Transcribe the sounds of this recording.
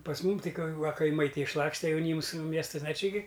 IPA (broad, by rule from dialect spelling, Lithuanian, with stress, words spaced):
pɐs ˈmʊm ˈtɐɪ kɐ ʋɐ kɐɪˈmɐɪ ˈtɐɪ ɪʃˈlˠɑːksʲtʲɛ jɛʊˈnʲiːms ˈmʲiɛstɐsn ɐ ˈt͡ʃʲɪ ɡʲɪ